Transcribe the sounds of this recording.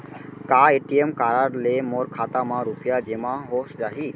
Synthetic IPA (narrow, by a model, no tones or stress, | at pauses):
kaeʈiemkaɾaɾlemoɾkʰat̪amãɾupijad͡ʒemaɦosd͡ʒaɦi